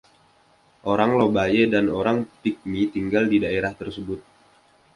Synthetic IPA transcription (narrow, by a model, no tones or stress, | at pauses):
ʔoɾaŋlobajedanoɾaŋpik̚mit̪iŋɡaldidaeɾaht̪ərsəbʊt̪̚